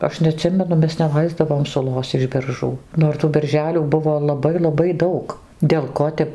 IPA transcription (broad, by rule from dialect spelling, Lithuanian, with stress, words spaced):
ˈɐʃ nʲɛɐˈtʲsʲɪmʲɛnʊ ˈmʲɛs nʲɛˈlˠɐɪzdɐʋoːm sʊˈlˠoːs ɪʃ bʲɛrˈʒuː noːr ˈtuː bʲɛrʲˈʒʲæːlʲuː ˈbʊʋoː lˠɐˈbɐɪ lˠɐˈbɐɪ ˈdɐʊk dʲeːlˠ ˈkoː tʲɛp